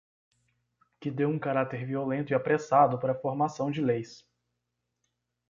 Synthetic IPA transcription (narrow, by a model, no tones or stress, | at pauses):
kɪd̪ewũkaɾat̪eɾviolẽnt̪ʊiapɾesad̪ʊpaɾɐfoɾmasɐ̃w̃d͡ʒɪlejs